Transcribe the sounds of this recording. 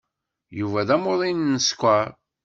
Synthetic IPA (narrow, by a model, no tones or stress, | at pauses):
juvæðæmoðˤinnːəskʷːæ